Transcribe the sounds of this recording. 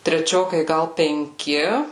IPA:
tʲrʲɛˈt͡ʃʲoːkɐɪ ˈɡɐlˠ pʲɛŋʲˈkʲɪ

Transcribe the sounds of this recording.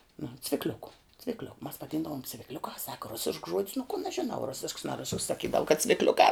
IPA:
nʊ t͡sʲʋʲɪkˈlʲʊkʊ t͡sʲʋʲɪkˈlʲoːk mɐs ʋɐˈdʲiːndɐʋoːm t͡sʲʋʲɪkˈlʲʊkɑː sɐkɐ ˈrʊsʲɪʃks ʒuɔtʲs nʊ kʊn ɐʃ ʒʲɪˈnɐʊ ˈrʊsʲɪʃks nɐ ˈrʊsʲɪʃks sɐˈkʲiːdɐʋʊ kɐt t͡sʲʋʲɪkˈlʲʊkɑː

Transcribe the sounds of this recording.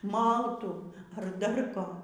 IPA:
ˈmɐlˠtuː ɐr dɐr ˈkoː

